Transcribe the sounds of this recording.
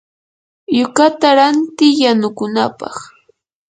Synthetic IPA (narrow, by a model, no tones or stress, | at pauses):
jʊkat̪aɾant̪ɪjanʊkʊnapɑ̰χ